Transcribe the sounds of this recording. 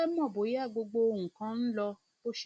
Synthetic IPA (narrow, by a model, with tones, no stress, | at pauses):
ɛ˦mɔ̃˦˨bo˨˦ja˦˨ɡ͡bo˧ɡ͡bo˧o˧˨ŋũ˨kã˦n̩˦lɔ˧ | o˦ʃ